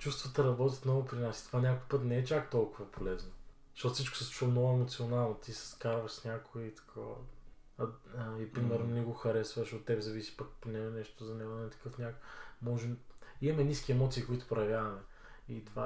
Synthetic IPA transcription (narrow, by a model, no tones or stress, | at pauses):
t͡ʃust̪vət̪ɐɾɐbɔt̪ʲət̪nɔvʊpɾinasi̥t̪ovanʲakoipɤt̪nɛɛt͡ʃakt̪ɔlˠkʊvɐpʰolɛznozɐʃt̪ɔt̪ofsit͡ʃko̥sɛsut͡ʃulˠnɔɛmot̪sionalˠnot̪isɛ̥skaɾvɐʃsnʲakoɛit̪ɐ̥kʰɔvə̰ | ipɾimɛɾnonɛɡoxɐɾɛsvəʃot̪ːɛbɛzɐvisi̥pɐkpnɛɡnɛʃt̪ozɐnɛɡonɛnɛt̪ɐ̥kɤfnʲakomɔʒɛmimɐmɛnʲiskʲiɛmɔt̪siːkoit̪ʊ̥pɾɐjɐvʲjavɐmɛ | it̪ova